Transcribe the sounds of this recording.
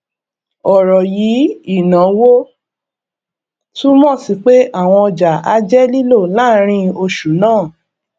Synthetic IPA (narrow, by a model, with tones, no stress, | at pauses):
ɔ˨ɾɔ˨ji˨˦i˦˨nã˨˦wo˦ | tũ˦mɔ̃˦˨si˨˦k͡pe˦ʔa˦˨w̃ɔ̃˧ɔ˧d͡ʒa˨a̰˧˦d͡ʒɛ˦li˦lo˦˨laː˦ɾ̃ĩ˧o˧ʃu˨˦nãː˦˨